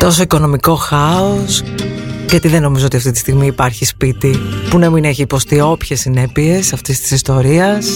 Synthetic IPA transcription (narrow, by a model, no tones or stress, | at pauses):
t̪o̞so̞iko̞no̞miko̞xɐos | ʝɐt̪iðe̞no̞mizo̞ot̪iɐft̪it̪ist̪iɣmiːpɐɾçispit̪ipunɐmine̞çiːpo̞st̪io̞pçe̞sːine̞pie̞sɐft̪ist̪i̥sist̪o̞ɾiɐs